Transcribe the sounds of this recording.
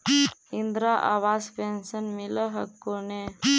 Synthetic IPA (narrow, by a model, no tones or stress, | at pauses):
ind̪ɾaʔa̰ʋaːspensənmiləɦəkːone